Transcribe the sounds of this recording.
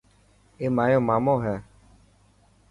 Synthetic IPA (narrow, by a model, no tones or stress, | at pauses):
emãjɔ̃mãmɔ̃ɦɛ̃